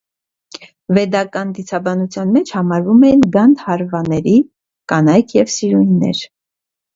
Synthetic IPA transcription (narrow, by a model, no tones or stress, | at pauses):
vɛd̪ɑkɑnd̪it͡sʰɑbɑnut͡sʰjɑnmɛt͡ʃʰhɑmɑɾvumɛjinɡɑnt̪hɑɾvɑnɛɾi | kɑnɑjkʰjɛvsiɾujnːɛ̰ɾ